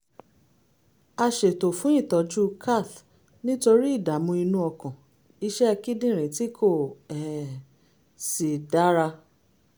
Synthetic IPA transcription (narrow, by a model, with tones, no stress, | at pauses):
a˧ʃe˨to˨fũ˨˦ĩ˦˨tɔ˨˧d͡ʒu˦kʰa˦˨t | nĩ˦to˧ɾi˦i˦˨da˨˦mũ˧i˧nũ˦ɔ˧kã˨ | i˧˦ʃɛ˦ɛ˧ki˦dĩ˦˨ɾ̃ẽ˨ti˦kʰo˦˨ɛ˨ | si˨da˨˦ɾa˧